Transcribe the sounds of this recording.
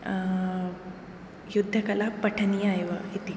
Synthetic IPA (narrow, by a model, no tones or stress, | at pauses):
jud̪ʱːəkəlapəʈʰənijajʋəɦit̪i